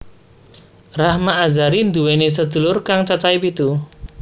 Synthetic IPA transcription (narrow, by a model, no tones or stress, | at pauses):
rahmaʔːzaɾind̪uwenis̬əd̪̥ṳlʊrkaŋt͡ʃat͡ʃaipit̪u